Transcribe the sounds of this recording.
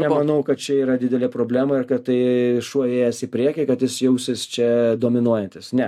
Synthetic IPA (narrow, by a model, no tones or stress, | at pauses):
nʲɛmɐnɐʊkɐt̪̚t͡ʃʲɛiːɾɐdʲɪd̪ʲɛlʲepɾoːbʲlʲæːmɐɪɾkɐt̪t̪ːɐɪʃuɔjeːjɛsɪpʲɾʲiɛkʲɪkɐt̪jʲɪsjɛʊsʲɪst͡ʃʲɛd̪oːmʲɪnuɔjɛnʲt̪ʲɪsnʲɛ